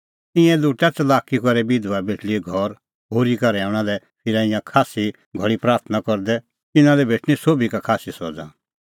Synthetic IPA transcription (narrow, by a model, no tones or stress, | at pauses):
t̪ɪ̃ɛ̃luːʈat͡sɐlaːkikɔɾɛbɪd̪uʋabeʈʰliɡʱɔɾ | ɦoːɾikɐɾɛãːʊɽ̃alɛ | pʰɪɾaɪ̃jãkʰaːsi | ɡʱɔɭipɾaːɾt̪ʰnakɔɾd̪ɛ | t̪ɪnãlɛbʱeːʈɽ̃ĩsoːbʱikakʰaːsisɔd͡zã̰